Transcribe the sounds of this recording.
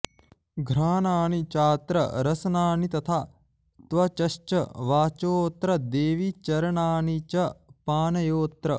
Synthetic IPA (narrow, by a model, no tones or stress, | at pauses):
ɡʱɾaːnaːnit͡ʃaːt̪ɾɐ̰ɾɐsɐnaːnit̪ɐt̪ʰaː | t̪ʋɐt͡ʃɐʃt͡ʃɐʋaːt͡ʃoːt̪ɾɐd̪eːʋit͡ʃɐɾɐɳaːnit͡ʃɐpaːnɐjoːt̪ɾɐ